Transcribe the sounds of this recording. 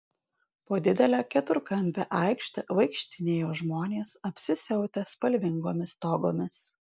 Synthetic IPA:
poːd̪ʲɪd̪ʲɛlʲæːkʲɛt̪ʊɾkɐnʲbʲɛʔɑˑɪkʃʲt̪ʲɐʋɐɪkʃʲt̪ʲɪnʲeːjoːʒmoːnʲeːsɐpʲsʲɪsʲɛʊt̪ʲɛspɐlʲʋʲɪŋɡoːmʲɪst̪oːɡoːmʲɪs

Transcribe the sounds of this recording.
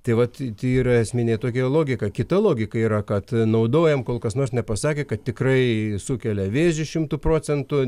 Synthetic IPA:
t̪ɐɪʋɐt̪t̪ʲiiːɾɐɛsʲmʲɪnʲet̪oːkʲɛlˠoːɡʲɪkɐkʲɪt̪ɐlˠoːɡʲɪkɐiːɾɐkɐt̪nɐʊd̪oːjɛmkoːlˠkɐsnoːrsnʲɛpɐsɑːkʲeːkɐt̪tʲɪkrɐɪsukʲɛlʲɛʋʲeːʒʒʲɪʃʲɪmt̪ʊproːt͡sʲɛnt̪ʊ

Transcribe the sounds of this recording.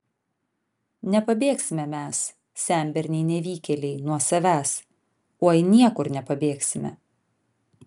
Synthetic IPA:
nʲɛpɐbʲeːksʲɪmʲɛmʲæs | sʲæˑmʲbʲɛɾʲnʲɛɪnʲɛʋʲiːkʲɛlʲɛɪnuɔsɐʋʲæːs | oːjɪnʲiɛkʊɾnʲɛpɐbʲeːksʲɪmʲɛ̰

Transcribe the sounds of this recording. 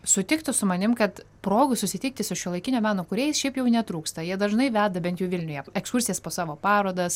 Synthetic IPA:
sʊt̪ʲɪkt̪ʊsʊmɐnʲɪmkɐt̪ | pɾoːɡʊsʊsʲɪt̪ʲiːk̚t̪ʲɪsʊʃʲuɔlˠɐɪkʲɪnʲoːmʲæːnoːkʊɾʲɛɪsʃʲɛɪpjɛʊnʲɛt̪ɾuːkst̪ɐjiɛd̪ɐʒnɐɪʋʲæːd̪ɐbʲɛnt̪juːʋʲɪlʲnʲʊjɛɛkskʊɾʲsʲɪjɛspoːsɑːʋoːpɑːɾoːd̪ɐs

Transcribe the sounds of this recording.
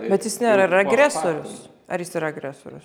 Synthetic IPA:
bʲɛt̪jɪsnʲæɾɐɪɾɐɐɡɾʲæːsoːɾʲʊs | ɐɾjɪsɪɾɐɐɡɾʲæso̰ːɾʲʊ̰s

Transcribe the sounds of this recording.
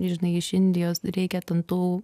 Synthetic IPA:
ʒʲɪnɐɪɪʃɪnʲd̪ʲɪjoːsɾʲɛɪkʲɛt̪ʲɛnt̪uː

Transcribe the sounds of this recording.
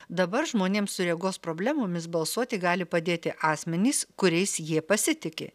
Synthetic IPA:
d̪ɐbɐɾʒmoːnʲeːmsʊɾʲeɛɡoːspɾoːbʲlʲæːmoːmʲɪsbɐlˠsuɔt̪ʲɪɡɑːlʲɪpɐd̪ʲeːt̪ʲɪʔɑːsʲmʲɛnʲiːskʊɾʲɛɪsjiɛpɐsʲɪt̪ʲɪkʲḛː

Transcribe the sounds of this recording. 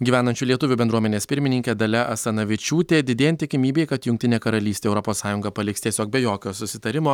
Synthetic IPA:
ɡʲiːʋʲæːnɐnʲt͡ʃʲuːlʲiɛt̪ʊʋʲubʲɛnd̪ɾuɔmʲɛnʲeːspʲɪɾʲmʲɪnʲɪŋʲkʲeːd̪ɐlʲɛʔɐst̪ɐnɐʋʲɪt͡ʃʲuːt̪ʲeːd̪ʲɪd̪ʲeːjɛnt̪ʲɪkʲɪmʲiːbʲeːɪkɐt̪jʊŋk̚ʲt̪ʲɪnʲeːkɐɾɐlʲiːsʲt̪ʲeːɛʊɾɔpoːssɑːjʊŋɡɐpɐlʲɪkst̪ʲiɛsʲoːk̚bʲɛjoːkʲoːsʊsʲɪt̪ɐɾʲɪmoː

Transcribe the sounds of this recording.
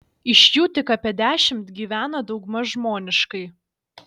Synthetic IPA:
ɪʃʲjuːt̪ʲɪkɐpʲɛd̪ʲæːʃʲɪmt̪ɡʲiːʋʲæːnɐd̪ɒʊɡmɐʒmoːnʲɪʃkɐɪ

